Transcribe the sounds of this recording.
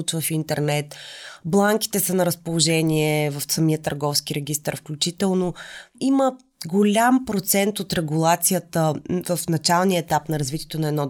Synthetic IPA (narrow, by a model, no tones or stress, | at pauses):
ut͡ʃvəfint̪ɛɾnɛt̪blˠaŋk̟i̥t̪ɛsənɐɾəspolˠoʒɛniɛvɐfsɐmijət̪əɾɡɔfskiɾɛɡ̟ʲist̪əɾfklʲut͡ʃit̪ɛlˠnoimə | ɡolʲampɾot̪sɛnt̪ot̪ɾɛɡulˠat̪sijət̪əvəfnɐt͡ʃalˠniəɛt̪apnɐɾɐzvit̪ʲijɛt̪onɐɛd̪nɔ